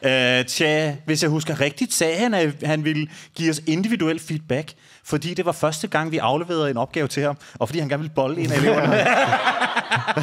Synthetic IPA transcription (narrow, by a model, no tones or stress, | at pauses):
t͡sʰæʋe̝sjɑ̈ɪɦus̬ɡ̥ɐʁɡ̥̚d̥id̥sɛːhænæhænʋeləɡ̥ḭːɒ̽se̝nd̥iʋiduel̰d̥fiːd̥̚b̥æɡ̥ | fɒ̽d̥ḭːd̥e̝ʋɑ̈fɶɐsd̥əɡ̥ɑ̈ŋ̰ʋiʔɑ̈ʊleʋe̝̰ːɐð̩ˠe̝nɒ̽b̥ɡ̥ɛːʊt͡sʰe̝hɑ̈mɒfd̥ḭhænɡæɐnʋilb̥ɒ̽le̝ːnæeleʊ̰ɐ